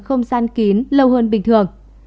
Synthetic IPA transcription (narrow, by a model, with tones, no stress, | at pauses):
xə˧wŋ͡mzaː˧nki˨˦nlə˧wɦəː˧nɓï˨˩ŋ̟t̪ʰɨ˨˩əŋ